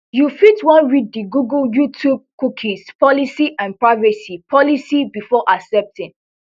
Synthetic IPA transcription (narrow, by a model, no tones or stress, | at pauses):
jufitwɔ̃nɹidːiɡuɡljutʰub̚kukʰĩspɔlisiʔãnpɹaɪvɛsipʰɔlisibifɔʔaksɛp̚tɪ̃n